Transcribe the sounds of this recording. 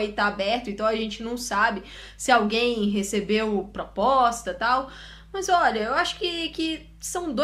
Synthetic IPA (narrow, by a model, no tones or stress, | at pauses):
it̪aabɛɾt̪ʊẽnt̪ɐ̃w̃ɐʒẽnt͡ʃɪnɐ̃w̃sabɪ | sɪawɡẽj̃ɦesebewpɾɔpɔst̪ɐt̪aw | mɐzɔʎɐewaʃʊ̥kɪkɪ | sɐ̃w̃d̪o